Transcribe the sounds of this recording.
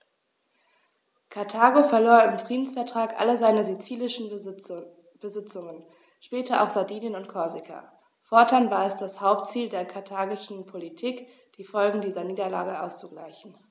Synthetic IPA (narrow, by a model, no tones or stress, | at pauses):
kʰaɐtʰaːɡofɛɐloːɐɪmfʁ̥iːdn̩sfɛɐtʁ̥aːkʔa̰ləzaɪnəzit͡siːlɪʃn̩ | b̥əzɪt͡sʊŋən | ʃpɛːtɐʔaʊxz̥adiːnjənʊntkʰɔɐzɪkʰa̰ | fɔɐtʰanvaːɐɪstd̥ashaʊp̚tt͡siːldeːɐkʰaɐtʰaːɡɪʃn̩pʰolitʰiːk | d̥iːfɔlɡŋ̩diːzɐniːdɐla̰ːɡəʔa̰ʊst͡suɡla̰ɪçn̩